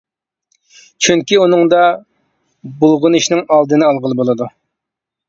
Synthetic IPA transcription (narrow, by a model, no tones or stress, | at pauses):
t͡ʃʰyŋkʲiunɨŋd̪ɑ | bulˠʁʊniʃnɪŋɑlˠd̪ɨnɨɑlˠʁəlˠɨbolˠɨd̪u